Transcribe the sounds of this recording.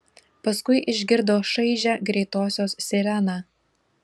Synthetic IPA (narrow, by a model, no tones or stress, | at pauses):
pɐskʊɪʔɪʒʲɡʲɪɾd̪oːʃɐɪʒʲæɡɾʲɛɪt̪oːsʲoːssʲɪɾʲænɑː